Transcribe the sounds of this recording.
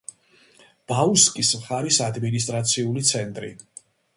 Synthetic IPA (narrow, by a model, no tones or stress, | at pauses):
b̥auskʼismχaɾisad̪minis̬t̪ʼɾat̪sʰiulit̪sʰɛnt̪ʼɾḭ